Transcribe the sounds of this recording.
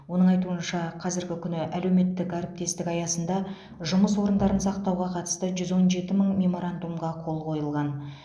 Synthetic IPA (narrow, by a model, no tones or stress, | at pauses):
wo̞nəɴɑjt̪uənʃɑqʰɑzɪɾɡʲɪkʲʰʏnɪʔæle̞wme̞t̪ːɪkɡɑɾəp̚t̪e̞st̪ɪkɑjɑsənd̪ɑ | ʒʊməswo̞ɾənd̪ɑɾənsɑqt̪ɑwʁɑqʰɑt̪ə̥st̪əʒʏzwo̞nʒe̞t̪ɪməɴmʲe̞mo̞ɾand̪umʁɑqʰo̞lˠqʰo̞jəlˠʁɑn